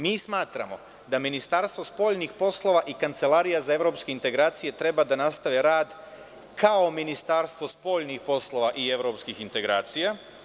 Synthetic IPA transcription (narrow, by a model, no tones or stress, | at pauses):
miːsmaːt̪ɾa̰mo̞̰ | d̪aminist̪aɾst̪ʋo̞spo̞ʎnixpo̞slˠo̞ʋaʔikant̪se̞laɾijazae̞ʋɾo̞pskeint̪e̞ɡɾaːt̪sije̞t̪ɾe̞bad̪anast̪aʋeɾaːd̪ | kʰaominist̪aːɾst̪ʋo̞spo̞ʎnixpo̞slˠo̞ʋaʔie̞ʋɾo̞ːpskixint̪e̞ɡɾa̰ːt̪sija